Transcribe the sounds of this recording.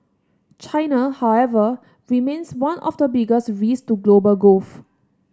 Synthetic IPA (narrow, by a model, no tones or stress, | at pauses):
t͡ʃaɪnahaʊɛvə | ɹimẽnswãnɔ̰fdəbiɡəsɹistuɡlobəlɡof